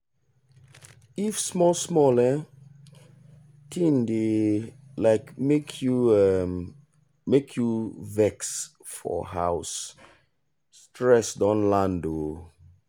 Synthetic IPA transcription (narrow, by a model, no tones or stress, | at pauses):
ifsmɔsmɔlə | tʰĩnde | laɪkmekʰjuɛm | mekʰjuvɛks | fɔ̰ha̰ʊs | tɹɛsdɔ̃nlãndo